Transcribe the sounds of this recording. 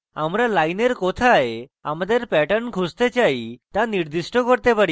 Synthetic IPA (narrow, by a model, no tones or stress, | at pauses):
amɾalajneɾkɔt̪ʰaea̰mad̪eɾpɛʈənkʰust̪et͡ʃajt̪aniɾd̪isʈɔkɔɾt̪epaɽi